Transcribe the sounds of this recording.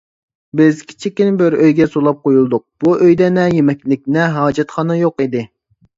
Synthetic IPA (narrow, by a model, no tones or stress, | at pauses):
bɪzkʲʰi̥t͡ʃʰikʲːinbɪɾøjɡʲɛsolˠɑp̚qʰojulˠd̪ʊq̚b̥uʔøjd̪ɛnɛjemɛkʲlɪk̚ʲnɛɦɑːd͡ʒɛt̪χɑnɑjoqid̪ɪ